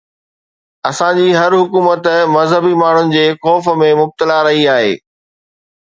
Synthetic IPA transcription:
ɐsãd͡ʑiːɦɐɾɦʊkuːmət̪mɐzɦəbimaːɳ̤ʊnɪ̆d͡ʑeːxɔːfmẽmʊb̚t̪əlaɾɐɦiaːɦḛː

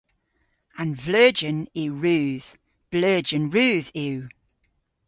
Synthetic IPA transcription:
ə̃nvlɜːd͡ʒə̃nɪɹʉːð̥ | b̥lɜːd͡ʒə̃nɹʉːði

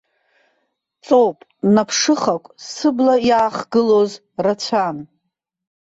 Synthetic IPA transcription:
t͡sʼowpʼnapʰʂɨχakʷʼsɨblajaːχɡɨloz | rat͡ɕʷʰan

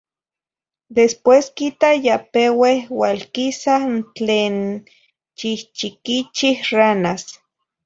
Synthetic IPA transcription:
d̪espweskit̪ajapewehwalkisant͡ɬeːn | t͡ʃiht͡ʃikit͡ʃihranas

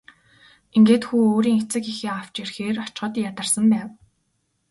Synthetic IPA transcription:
eŋɡeːt̪xuːoːɾiːŋet͡sɘ̆kixeːaw̥t͡ɕirxeːrɔt͡ɕɢɞ̆t̪jat̪ə̆rsə̆mpæːw

